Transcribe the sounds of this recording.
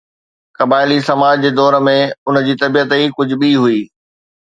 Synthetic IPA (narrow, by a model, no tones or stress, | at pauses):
kɐbaːɪlisɐmaːd͡ʑd͡ʑeːd̪ɔːɾmẽʊn̆d͡ʑiːt̪ɐbijət̪ikʊd͡ʑʱʊ̆ɓiɦuiː